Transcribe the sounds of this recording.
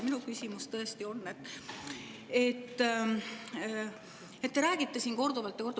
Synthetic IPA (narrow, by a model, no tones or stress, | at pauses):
minukysʲimust̪ɤ̞est̪io̞nːet̪ːˑ | e̞t̪ːˑ | et̪ːeɾæːɡ̥it̪ːesiːnko̞rd̪uvɑlt̪ːˑjɑko̞rd̪̥u